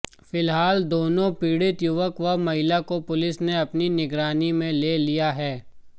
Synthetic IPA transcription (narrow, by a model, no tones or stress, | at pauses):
fɪlɦaːld̪oːnõpiːɽɪt̪jʊʋəkʋɐmɐɦɪlakopʊlɪsneɐpninɪɡɾaːnimẽleːlijaɦɛː